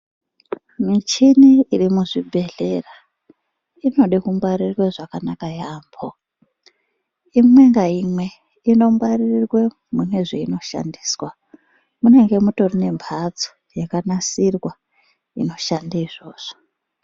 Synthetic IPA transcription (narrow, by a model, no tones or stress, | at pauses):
mit͡ʃiniːrimuʐibʱe̞ɮe̞ra | ino̞ɗikumwaɾirweʐakanakajaːmbʰo | imwe̞ŋɡaimwe̞ | ino̞mwaririrwe | mune̞ʐeino̞ʃa̰ndi̥ːswa | mune̞ŋɡe̞muto̞rine̞mpʰad͡zo̥ | jekanasirwa | ḭno̞ʃandaiʐo̞ːʐ̥o̥